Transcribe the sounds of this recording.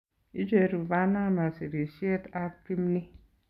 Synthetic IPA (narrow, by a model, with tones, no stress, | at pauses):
ḭ˦d͡ʒe˨ɾu˨va˦na˦ma˨si˨ɾi˨ʃi˦e˦ta˦pi˦m˦ni˦